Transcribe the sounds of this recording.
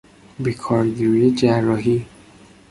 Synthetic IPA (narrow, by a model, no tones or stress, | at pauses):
bekʰɒɾɡiɾijed͡ʒærːɒɦi